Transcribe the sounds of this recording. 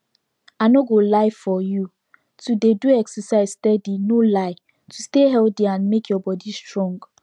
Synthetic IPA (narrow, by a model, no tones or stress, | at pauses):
aɪnoɡolaɪfɔju | tudeduɛksəsaɪzstɛdinolaɪ | tusteɦɛltiãnmekʰjɔbɔdistɹɔ̃ŋɡ